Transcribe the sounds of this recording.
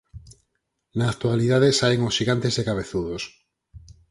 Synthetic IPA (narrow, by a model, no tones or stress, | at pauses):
naːk̚t̪ualiðaðesaeŋosʃiɣant̪ezðekaβ̞eθuðos